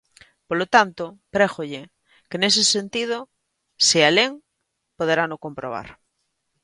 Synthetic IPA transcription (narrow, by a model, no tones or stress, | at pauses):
polot̪ant̪opɾexoʎe | kenesesent̪ið̞o | sealeŋ | poðeɾanokompɾo̰β̞a̰ɾ